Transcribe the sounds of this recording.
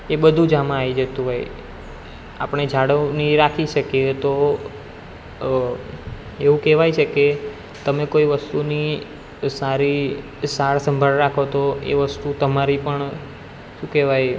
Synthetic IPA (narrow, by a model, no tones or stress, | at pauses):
eɓəd̪ʱũd͡ʒamãaid͡ʒət̪ũɦoj | a̰pəɳ̃ed͡ʒʱaɽoniɾakʰiʃəkjet̪o | eʋũkɛʋajt͡ʃʰeke | t̪əmekoiʋəst̪uni | saɾi | saɭsəmbʱaɭɾakʰot̪oḛʋəst̪ut̪əmaɾipəɳ | ʃũkɛʋaj